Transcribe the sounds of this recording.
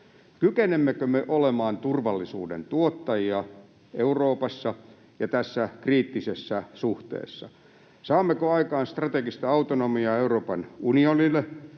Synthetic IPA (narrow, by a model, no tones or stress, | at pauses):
kykenemːekømeʔolemɑːnt̪urʋɑlːisṵːdḛnt̪uot̪ːɑjiɑ | euroːpɑsːɑ | jɑt̪æsːækriːt̪ːisesːɑsuht̪ḛːsːɑ̰ | sɑːmːekøɑikɑːnst̪rɑt̪eɡist̪ɑɑut̪onomiɑeuroːpɑnunionilːˑe